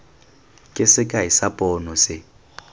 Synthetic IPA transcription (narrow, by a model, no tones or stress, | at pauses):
kʼɪsɪkʼaɪsapʼɔːnɔsɪ